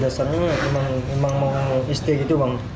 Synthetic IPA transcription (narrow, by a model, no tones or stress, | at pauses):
dasarɲamemaŋmemaŋmaist̪ikit̪ubaŋ